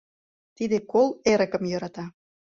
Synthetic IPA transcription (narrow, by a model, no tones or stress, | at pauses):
t̪id̪ekoleɾə̆kə̆mjɤ̆ɾɑt̪ɑ